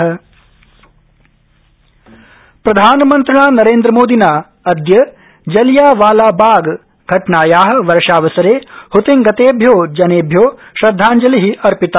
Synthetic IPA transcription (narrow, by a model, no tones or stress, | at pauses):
ɐ | pɾɐd̪ʱaːnɐmɐnt̪ɾɐɳaːnɐɾeːnd̪ɾɐmoːd̪inaː | ɐd̪jɐ | d͡ʒɐljaːʋaːlaːbaːɡ | ɡʱɐʈɳaːjaːɦɐ̆ʋɐɾʂaːʋɐsɐɾeːhut̪iŋɡɐt̪eːbʱjoːd͡ʒɐneːbʱjoːʃɾɐd̪ʱːaːɲd͡ʒɐliɦiɐɾpit̪a